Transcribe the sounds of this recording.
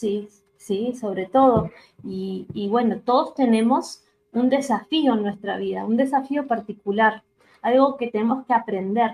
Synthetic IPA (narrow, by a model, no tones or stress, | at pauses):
si | siso̞β̞ɾe̞t̪o̞ð̞o̞ | iːβwe̞no̞t̪o̞ð̞o̞st̪e̞ne̞mo̞s | und̪e̞safionwe̞st̪ɾa̰β̞iða̰und̪e̞safio̞paɾt̪ikulaɾ | alɣo̞ke̞t̪enemoskeapɾe̞nd̪e̞ɾ